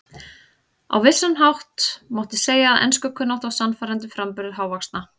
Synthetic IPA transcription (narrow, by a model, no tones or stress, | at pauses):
a̰wvɪsːanɦawht̪mawht̪ɪseːjaːðʔɛ̰nskʏkʰʏnːawht̪awsanfaːɾant̪ʏfɾampʏɾðɪɦaːwvakst̪na